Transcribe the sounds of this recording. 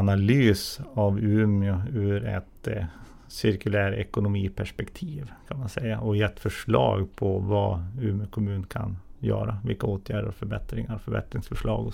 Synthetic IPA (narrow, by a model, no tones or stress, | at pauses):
nalyːsavʉːmɪʊʉːɾɛ̰t̪ | sɪɾkɵlæːɾɛkʊnʊmiːpʰæʂpɛkt̪ʰiːvkʰanmansɛjaʔɔjɛt̪ːfœʂɭɑ̰ːɡpʰɔvɑʉːmɪʊkʰɔmʉ̟ːnnkʰa̰njœ̰ːɾavɪlkaoːt̪ʰjæːɖəɾɔfœɾbɛt̪ɾɪŋaɾɔfœɾbɛ̰t̪ɾɪŋsfœʂɭɑːɡɔ